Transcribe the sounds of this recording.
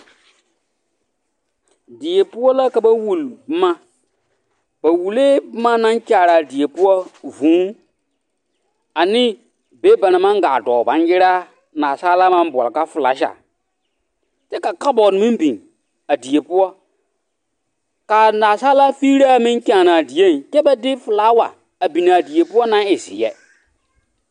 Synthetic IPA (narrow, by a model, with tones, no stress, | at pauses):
di˨je˨pu˦wɔ˦la˦ka˨ba˦wu˨lb̩˦ma˦ | b̥a˨wu˨le˦bma˦na˦nkʲa˨ɾa˨di˨je˨pu˦wɔ˦vũː˨˦ | a˨ni˦ | be˦ba˨na˨ma˦ŋ˦ɡa˨dɔː˨ba˨˦n˦ji˦ɾa˦ | naː˨sa˦la˦mã˦m˦bɔ̰˨lka˦fɨ˨la̰˨˦ʃa̰˨ | tɛ˦ka˨ka˦bɔ˨n˨mĩ˦m˦bĩ˨n | a˨di˨je˨pʊ˦ɔ˦ | ka˨naː˨saː˦la˦fi˦ɾa˦mĩ˦ŋ˦kʲãː˨na˨di˨je˦˨n˨kɛ˦ba˦dɪ˦fɨ˨la˦wa̰˨ | a˨bi˨na˨di˨je˨pʊ˦ɔ˦nã˦e˨sḭ˨jɛ̰˨